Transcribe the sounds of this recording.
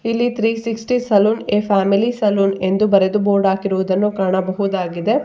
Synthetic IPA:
ilːit̪ʰɾiːsiksʈisɐluːneːpʰaːmilisɐluːne̞nd̪ubɐɾed̪uboːɾɖaːkiɾuʋud̪ɐnːukaːɳɐbɐɦud̪aːɡid̪e̞

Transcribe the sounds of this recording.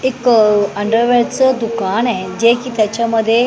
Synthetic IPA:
ekəɳɖəɾʋɛɽt͡səd̪ukanad͡ʑekiːt̪jat͡ɕaməd̪ʱːje

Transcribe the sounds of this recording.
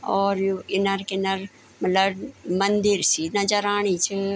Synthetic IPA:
ɔːɾjɪnɐɾkɪnɐɾ | mɐt̪ləbmɐnd̪iɾsinɐd͡ʒɐɾaːɳ̃it͡ʃʰi

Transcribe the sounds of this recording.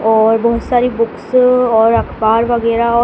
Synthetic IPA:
ɔɹbɔɦsaɾibuksɔɹakʰpaɾbaɡeɾaɔ

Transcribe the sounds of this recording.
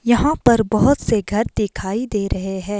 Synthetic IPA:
jɐɦãpɐɾbɐɦʊt̪seɡʱɐɾd̪ɪkʰaːid̪eːɾɐɦeɦɛ̃ː

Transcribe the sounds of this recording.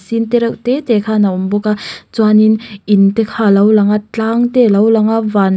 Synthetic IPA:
sint̪eɾawt̪et̪ekʰanawmbokat͡swaninint̪ekʰalɐwlaŋat͡ɬaŋt̪elɐwlaŋavan

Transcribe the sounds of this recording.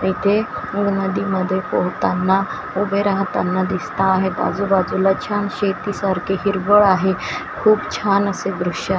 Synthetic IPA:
it̪ʰenuʋnəd̪iməd̪ʱːjepəɦut̪anːa | ubʱeɾaɦt̪a̰nːad̪ist̪aːɦet̪a̰d͡zubad͡zulat͡ɕʰanɕet̪isaɾkʰeɦiɾʋəɭaɦe | kʰuːbt͡ɕʰanəseɡɾuʂa

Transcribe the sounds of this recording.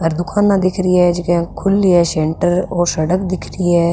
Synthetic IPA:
əɾd̪ʊkʰaːnːãːd̪ɪkʰɾiːɛːd͡ʒɪkɛ̃kʰʊliɛːsɛːɳʈəɾoːsəɽəkd̪ɪkʰɾiːɛː

